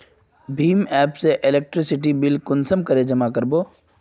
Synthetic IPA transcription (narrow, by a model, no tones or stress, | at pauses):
bʱiːmɛːpseʔɪleːk̚ʈɾɪsɪʈ̬ibɪlkʊnsəmkɐɾed͡ʒɐmakəɾboː